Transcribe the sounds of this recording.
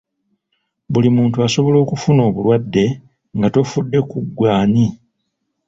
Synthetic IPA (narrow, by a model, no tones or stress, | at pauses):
βulimuːntuaso̞βo̞lo̞ːkufuno̞ːβulwadːe̞ | ŋɡato̞fudːe̞kuɡwaːni